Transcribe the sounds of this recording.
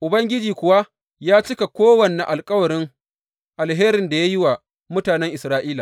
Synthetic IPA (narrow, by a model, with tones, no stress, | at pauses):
ʔʊ˨bɐ˦ŋɡʲɪ˦d͡ʒiː˨kʷʊ˨wa˦ | jaː˦t͡ʃɪ˦ka˨kʷoː˦wɐ˨ne˨ʔa˨lkʼɐ˦wɐ˨ɽɪ˦ŋ | ʔa˨lɦeː˦ɾɪ˨nda˨ja˦jɪ˦wa˨ | mʊ˦taː˨nɛ˦ŋʔɪ˨sɾaː˦ʔiː˦laː˨